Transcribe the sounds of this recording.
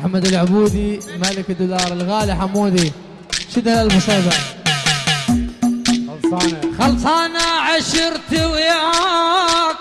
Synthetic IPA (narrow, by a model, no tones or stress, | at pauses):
ħamːad̪alʕʊbuːd̪imalɪkɪd̪ːʊlɑːɾˤɪlɣaːliħamːuːd̪i | ʃɪd̪halalbʊsaːd̪a | xɑlsˤɑːnaʕaʃɪɾt̪ɪwja